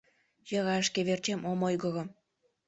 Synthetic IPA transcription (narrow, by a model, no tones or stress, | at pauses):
jɤɣɑʃkeβert͡ɕemʔomojɣɤ̆ɣɤ̆m